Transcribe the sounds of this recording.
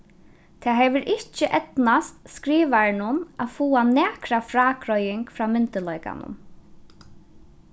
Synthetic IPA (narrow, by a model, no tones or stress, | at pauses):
t̪ʰɛːɦɛʋəɾʔɪht͡ʃəʔɛt̪nast̪skɾiːʋaɹɪnʊna̰fuːanæːkɾafɾaːkɾɔjɪŋkfɾaːmɪnt̪əlɔjka̰nʊ̰m